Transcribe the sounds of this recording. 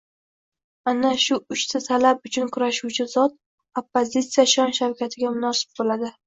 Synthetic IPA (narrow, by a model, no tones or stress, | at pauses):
anaʃʊʊʃsɪt̪ʰalapʊt͡ʃʰʊnkʰʊɾaʃuwt͡ʃʰɪzɒt̪̚ | opːozʲit̪sijaʃɒnʃaɾkʲat̪ʰɪɡʲamʊnɒsɪ̥b̚bolad̪ɪ